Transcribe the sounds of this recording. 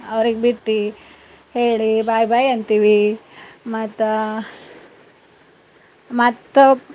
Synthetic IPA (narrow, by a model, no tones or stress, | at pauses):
ɐʋɾiɡebiʈːi | heːɭibaːjbaːjɐnt̪iʋi | mɐt̪ː | mɐt̪ːu